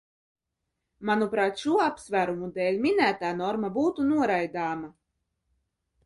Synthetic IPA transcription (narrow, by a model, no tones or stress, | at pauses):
manupɾaːt̪ʃuɔapsvæːɾumud̪ɛːlʲmʲinæːt̪aːnɔɾmabuːt̪unuɔɾajd̪aːma